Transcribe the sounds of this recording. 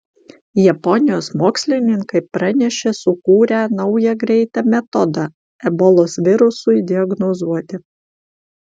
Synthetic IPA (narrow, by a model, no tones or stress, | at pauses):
jɛpɔnʲɪjoːsmoːksʲlʲɪnʲɪŋkɐɪpɾɐnʲɛʃʲesʊkuːɾʲænɒʊjɛɡɾʲɛɪt̪ɑmʲɛt̪ɔd̪ɑ | ɛbɔlˠoːsʋʲɪɾʊsʊɪd̪ʲɪɐɡnɔzuɔt̪ʲɪ